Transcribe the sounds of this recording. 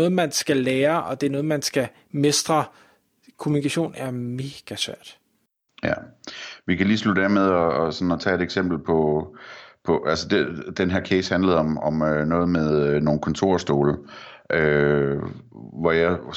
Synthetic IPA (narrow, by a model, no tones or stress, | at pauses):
ɔ̽ːð̩ˠmænsɡ̥æleːɐʔɒ̽d̥e̝æɐnɔ̽ːð̞̩ˠmænsɡ̥æ | me̝sd̥ʁɐ | kʰo̝munikʰæɕo̝̰ːnæɐme̝ːɡ̥æsʋæɐd̥ | jæʋikʰæliːslud̥æɐmeð̞ˠɒɒsɒ̽nɒt͡sʰɛ̰ːe̝d̥eɡ̥sem̰b̥l̩pʰɒ̽ | pʰɒ̽ʔælsəd̥ed̥enɦæɐkʰeːshænləð̞̩ˠɒ̽mɒ̽mønɔ̽ːð̞̩ˠmeðˠøno̝ːn̩kʰɒ̽nt͡sʰo̝ɐ̰sd̥o̝ːlə | ʔø | ʋɒjɑ